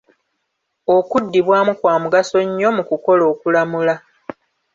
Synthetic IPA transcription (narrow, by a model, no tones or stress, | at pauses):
okudːiβwaːmukwaːmuɡaso̞ɲːo̞mukuko̞lo̞ːkulamula